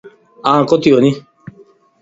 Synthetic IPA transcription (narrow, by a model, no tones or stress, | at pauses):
ãːkot̪ijoni